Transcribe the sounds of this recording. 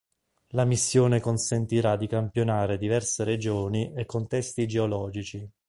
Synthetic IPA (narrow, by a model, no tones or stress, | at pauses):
lamisːjoːnekonsent̪iɾad̪ːikampjonaːɾed̪ivɛrseɾed͡ʒoːniʔekːont̪ɛst̪id͡ʒeolɔːd͡ʒit͡ʃi